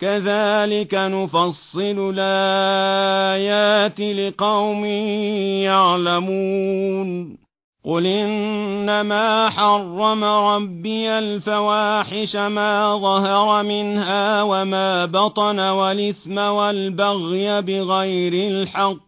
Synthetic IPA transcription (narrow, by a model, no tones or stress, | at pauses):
kaðaːlɪkanʊfɑsˤːɨlʊlʔaa | jaːt̪ɪlɪqɑwmɪːjaʕlamun | qʊlʔɪnnːamaːħɑrˤːɑmaɾˤɑbːɪjalfawaːħɪʃamaːðˤɑhɑɾˤɑmɪnhaːwamaːbɑt̪ˤɑnawalɪθmawalbaɣjabɪɣajɾɪlħɑqː